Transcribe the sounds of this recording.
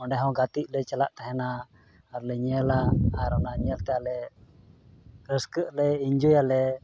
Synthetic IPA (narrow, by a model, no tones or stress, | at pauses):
ɔ̃ɳɖɛɦɔ̃ɡat̪iʔ̚lɛt͡ʃɛlaʔt̪ɛɦɛnaː | ɾlɛɲɛlaːɾɔnaɲɛlt̪ɛalɛ | ɾəskəʔlɛiɲd͡ʒɔjalɛ